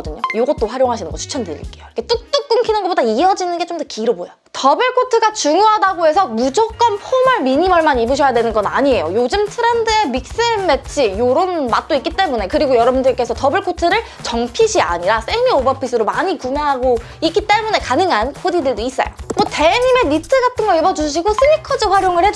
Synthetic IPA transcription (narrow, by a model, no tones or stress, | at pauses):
dɯɲojoɡʌt̚t͈oɸwaɾjoŋɦaɕʰinɯnɡʌt͡ɕʰu̥t͡ɕʰʌndɯɾḭɭk͈e̞jokʰet͈ɯk̚t͈ɯk̚k͈ɯŋkʰinɯnɡʌp͈odaiʌd͡ʑinɯnɡe̞t͡ɕomdʌkiɾoboja | tʌbɯɭkʰotʰɯɡat͡ɕuŋjoɦadaɡoe̞sʰʌmud͡ʑok͈ʌnpʰomaɭmiɲimaɭmanibɯɕʰʌjadwe̞nɯnɡʌnaɲie̞jojod͡ʑɯmtʰɯɾandɯemik̚s͈emmːe̞t͡ɕʰijoɾonmat̚t͈oik͈it͈e̞mune̞kɯɾiɡojʌɾʌbundɯɭk͈e̞sʰʌtʌbɯɭkʰotʰɯɾɯɭ | t͡ɕʌŋpʰiɕʰia̰ɲiɾas͈ʰeniobʌpʰis̬͈ʰɯɾomaɲikumeɦaɡo | ik͈it͈e̞mune̞kanɯŋɦankʰodidɯɭdois͈ʌ̰jo̰mʌte̞ɲime̞nitʰɯɡatʰɯnɡʌibʌd͡ʑuɕ̬ʰiɡosʰɯɲikʰʌd͡ʑɯɸwaɾjoŋɯɭhe